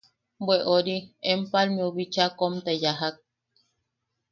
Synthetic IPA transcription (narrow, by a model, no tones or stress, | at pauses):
bweʔoɾiempalmiuβit͡ʃakomt̪ejaɦak̚